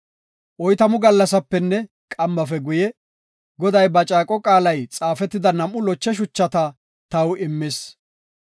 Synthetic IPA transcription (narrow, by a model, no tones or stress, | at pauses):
ʔɔjt̪ɐmʊɡɐlːɐsɐpːɛnːɛ | kʼɐmːɐfɛɡʊjɛ | ɡɔd̪ɐjbɐt͡ʃʼaːkʼɔkʼaːlɐjt͡sʼaːfɛt̪ːɪd̪ɐnɐmʊlɔt͡ʃːɛʃ̬ʊt͡ʃːɐt̪ɐ | t̪ɐwɪmːɪs